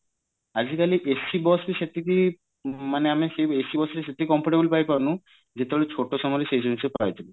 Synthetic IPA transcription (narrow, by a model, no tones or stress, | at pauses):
ad͡ʑikaliʔesibɔsbiʃet̪ʰːiki | maneamiʃeesibɔsɾeʃet̪ʰːikikɔmpɔʈebulpajpaɾnu | d͡ʑet̪eɔlet͡ɕʰoʈosɔmɔleʃesɔmisepawet̪ʰile